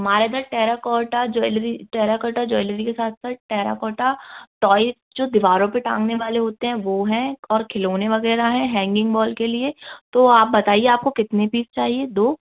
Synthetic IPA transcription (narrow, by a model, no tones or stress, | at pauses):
ɦɐmaːɾed̪aɾʈɛːɾakɔːʈad͡ʒɔːɪlɾiʈɛːɾakɔːʈad͡ʒɔːɪləɾikesaːt̪ʰsaːt̪̚ʈɛːɾa̰kɔːʈaʈɔːɪsd͡ʒoːd̪ɪʋaːɾõpeʈãːŋɡneʋaːleɦoːt̪eɦɛ̃ʋoɦɛ̃ɔːɾkʰɪloːneʋɐɣɛːɾaɦɛ̃ɦɛ̃ːŋɡɪ̃ŋɡbɔːlkeliet̪oaːp̚bɐt̪aːieaːp̚kokɪt̪nepiːzt͡ʃaːɦied̪oː